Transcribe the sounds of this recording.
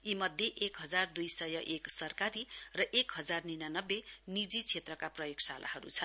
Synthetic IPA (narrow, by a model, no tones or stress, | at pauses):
imʌd̪ʱjeʔekɦʌd͡zard̪ujsʌjʌʔeksʌrkaɾirʌʔekɦʌd͡zarninanʌbːenid͡zit͡sʰet̪rʌkaprʌjoɡsalʔa̰ɦʌɾṵt͡sʰʌn